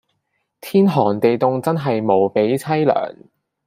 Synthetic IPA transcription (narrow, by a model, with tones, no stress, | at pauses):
t̪ʰiː˥nɦɔː˨˩ŋt̪e˨jt̪ʊ˨˧ŋt͡sɐ˥nɦɐ˨jmo˨˧wpe˨˥jt͡sʰɐ˥jlœ̰ː˨˩ŋ